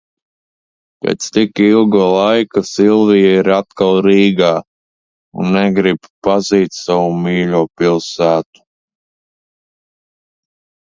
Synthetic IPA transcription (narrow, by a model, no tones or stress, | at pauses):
pḛːt̪st̪ikilˠɡuːlˠajkasilˠvijaiɾat̪kalˠɾiːɡaː | unːɛɡɾibpaziːt̪sawumiːʎʲuːpilˠsæːt̪u̥